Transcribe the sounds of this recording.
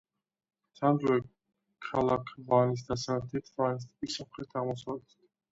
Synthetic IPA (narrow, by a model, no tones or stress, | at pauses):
samd̪zɛ | kʰalˠakʰvanis̬d̪asat̪ʰit̪ʰvanis̬t̪pisɔmχɾit̪ʰaʁmɔsavlɛt̪ʰt̪ʰ